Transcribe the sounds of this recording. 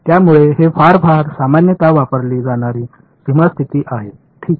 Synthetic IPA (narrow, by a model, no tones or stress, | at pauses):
t̪jamuɭeɦefaɾfaɾsamanjət̪aʋapəɾliːd͡zaɽ̃aɾiː | siməst̪ʰit̪iːʔaɦe | ʈʰiːk̚